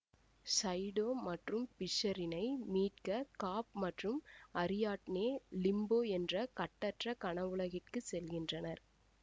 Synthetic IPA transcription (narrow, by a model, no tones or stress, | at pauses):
sɐɪɽoːmɐʈrɯmpɪʂɐɾɪnɐɪmiːʈ̚kɐkaːp̚mɐʈrɯmɐɾɪjaːʈneːlɪmboːɛndrɐkɐʈːɐʈrɐkɐɳɐʋɯɭɐɣɪʈkɯsɛlɣɪndrɐnɐɾ